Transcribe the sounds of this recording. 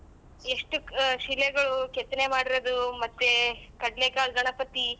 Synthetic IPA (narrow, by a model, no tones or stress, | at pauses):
e̞ʂʈuʃilːeɡɐɭuket̪ːɐnemaːɽiɾɐd̪umɐt̪ːekɐɖleɡaːlɡɐɳɐpɐt̪i